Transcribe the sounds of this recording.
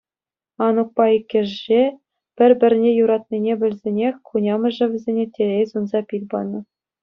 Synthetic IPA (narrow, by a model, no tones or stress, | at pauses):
ɑnuk̚pɑikʲːɘ̆ʐʒɘʑe | pʲɘ̆rʲbʲɘ̆rʲnʲejuɾɑt̪̚nʲinʲebʲɘ̆lʲzʲenʲexʲkunʲɑmɤ̆ʐɘ̆ʋʲɘ̆zʲenʲetʲelʲejzunzɑpʲilʲbɑ̰nːɤ̆